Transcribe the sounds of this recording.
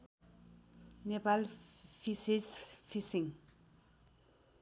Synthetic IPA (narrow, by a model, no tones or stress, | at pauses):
nepalfisisfisiŋ